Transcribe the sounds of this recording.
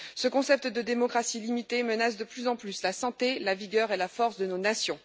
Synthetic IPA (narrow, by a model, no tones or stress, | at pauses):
səkɔ̃sɛp̚t̪d̪əd̪emɔkχasilimit̪emənas̬d̪əplyzɑ̃plyslasɑ̃t̪elaviɡʲœʁelafɔʁsd̪ənonasjɔ̃